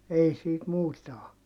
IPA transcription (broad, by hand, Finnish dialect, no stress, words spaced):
ei siːt muːtɑ o